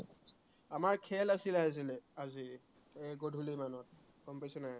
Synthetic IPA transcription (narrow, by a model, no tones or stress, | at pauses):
amaɹkʰɛlasilaas̬ilɛazi | eɡodʱulimanɔt̚ | kɔmpajsunaj